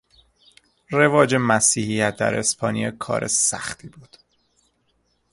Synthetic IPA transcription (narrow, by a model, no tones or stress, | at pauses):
re̞vɒːd͡ʒemæsiːhijæt̪̚ʰd̪æ̰ɾʔespʰɒːnijɒːkʰɒ̰ːɾʔḛsæ̰xt̪ʰiːbuːd̪̥